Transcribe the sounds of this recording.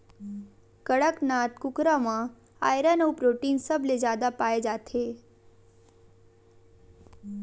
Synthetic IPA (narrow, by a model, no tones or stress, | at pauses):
kəɽəknaːt̪kʊkɾamã | a̰ːjɾənəwpɾoːʈiːnsəbled͡ʒjaːd̪apaːed͡ʒaːt̪ʰe